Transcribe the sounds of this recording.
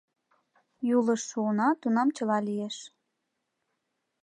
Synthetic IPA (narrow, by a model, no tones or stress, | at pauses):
juləʃːuənɑt̪unɑmt͡ɕəlɑlijeʃ